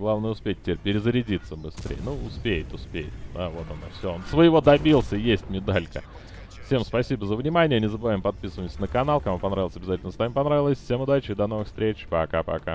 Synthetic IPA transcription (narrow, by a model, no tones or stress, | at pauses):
ɡlˠavnəjəʊspʲet̚ʲtʲːeɾʲpʲɪɾʲɪzəɾʲɪdʲit̪səbɨst̪ɾʲʔḛjə̰nuʊspʲejɪt̪ʊspʲḛjɪt̪d̪avo̞t̪ɐnofsʲoonsvəjɪvo̞d̪ɐbʲilˠsʲəjesʲtʲmʲɪd̪alʲkə̰ | fsʲe̞mspɐsʲibəzəvnʲɪmanʲɪjənʲɪzəbɨvaɪmpɐt̪̚pʲisəvəjmsʲənəkɐnalˠkɐmupɐnɾavʲlˠsʲɐbʲɪzatʲɪlʲnəst̪amʲɪmpɐnɾavʲɪlˠəsʲfsʲemʊd̪at͡ɕɪɪd̪ɐnovɨxst̪ɾʲet͡ɕpɐka̰pɐ̰ka̰